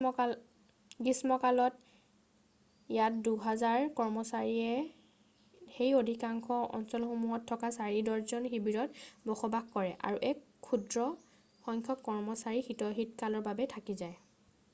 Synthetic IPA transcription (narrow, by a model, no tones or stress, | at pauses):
ɡismɔkalɔt | jat̚duɦɛzaɹkɔɹmɔsaɹiɛ | xejodʱikaŋxʰɔɔ̰nsɔlxomuɦɔtʰːɔkasaɹidɔɹzɔnxibiɹɔtbɔxɔbaxkɔɹɛʔa̰ɹuʔɛkʰːudɹɔ | xɔŋkʰɔkːɔɹmɔsaɹixitɔɦitkalɔɹbabɛtʰakizaj